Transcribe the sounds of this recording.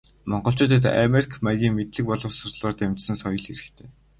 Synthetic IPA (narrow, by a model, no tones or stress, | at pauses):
mɔɴɢɞ̆ɬt͡ɕʊːt̪̬ə̆t̪æ̰merʲikʰmæɣʲiːŋmet̪ɮɘ̆k̚pɔɮɞ̆wsʊrɮɔːrt̪emt͡ɕsɘ̆nsɔjɞ̆ɮxeɾɘ̆xt̪ʰeː